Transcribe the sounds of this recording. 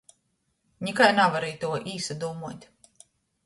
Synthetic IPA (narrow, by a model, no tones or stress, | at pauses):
ɲʲikajnavaɾijt̪uɔʔiːsad̪uɔmuɔt̪ʲ